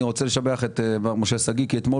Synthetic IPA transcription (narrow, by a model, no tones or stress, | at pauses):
iʁo̞t͡seleʃabeaχet̪evaʁmoʃesaɡikiet̪mo̞